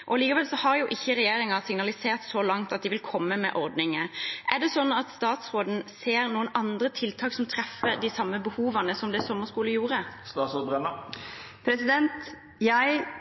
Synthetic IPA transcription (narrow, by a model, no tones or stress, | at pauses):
ʔɔliːkɑʋɛlsɔhɑʁjʊʔɪçːəʁɛjeːɾɪŋɑsɪŋnɑlɪseːʁt̪sɔlɑŋt̪ɑt̪d̪ɪʋɪlkʰɔmːəmɛ̰ʔɔɾd̪nɪŋəʔɛʁɖ̪ɛsɔnːɑt̪st̪ɑːt̪sʁoːd̪n̩seːɾnuːənɑnd̪ɾət̪ʰɪlt̪ʰɑːksɔmt̪ʰɾɛfəɾd̪ɪsɑmːəbəhuːʋɑnəsɔmd̪ɛsɔmːəskuːləjuːʁəst̪ɑːt̪soːd̪̚bʁɛnə | pʰɾɛsɪd̪ɛnt̪ | jæɪ